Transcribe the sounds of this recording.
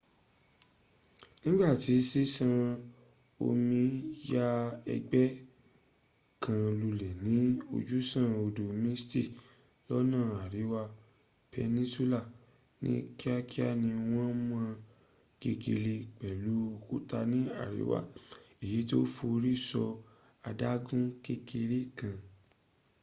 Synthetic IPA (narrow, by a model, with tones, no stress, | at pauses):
nĩ˦ɡ͡ba˦˨ti˨˦si˦sã˧ | o̰˧mĩ˧ja˦ɛ̰˧ɡ͡bɛ˦ | kʰã˧lu˧lɛ˨nĩ˨˦o̰˧d͡ʒu˦sã˦˧o˧do˨mĩ˦sti˦˨ | lɔ˦nãː˦˨a˨ɾi˨˦wa˧ | pɛ˧nĩ˦su˦la˦˨ | nḭ̃˧˦ki˦a˦ki˦a˦˨nĩ˧w̃ɔ̃˦mã˧˦ | ɡ̥e˧ɡe˧le˧k͡pɛ˨lu˨˦o˧ku˦ta˧nĩ˨˦a̰˦˨ɾḭ˨˦wa̰˦˨i˨ji˨˦to˦fo˧ɾi˦sɔ˧ | a˧da˦ɡũ˦ke˦ke˧ɾe˦kã˧